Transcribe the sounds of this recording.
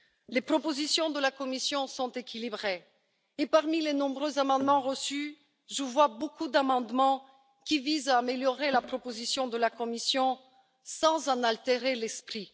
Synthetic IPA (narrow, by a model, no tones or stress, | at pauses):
lepχɔpozisjɔ̃d̪əlakɔmisjɔ̃sɔ̃t̪ekʲʰilibʁe | epaʁmilenɔ̃bʁøzamɑ̃d̪mɑ̃ʁəsy | ʒəvwabokud̪amɑ̃d̪mɑ̃ | kʲivizaːmeljɔʁelapχɔpozisjɔ̃d̪əlakɔmisjɔ̃ | sɑ̃zɑ̃nalt̪eʁelɛspχi